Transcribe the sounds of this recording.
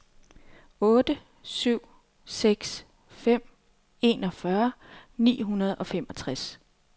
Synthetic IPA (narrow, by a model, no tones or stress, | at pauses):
ɔ̽ːd̥ə | syʊ̰ | seɡ̥s | fem̰ | e̝ːnɒ̽fɶɐnḭːɦunɐð̞ˠɒ̽femɒ̽t͡sʰʁas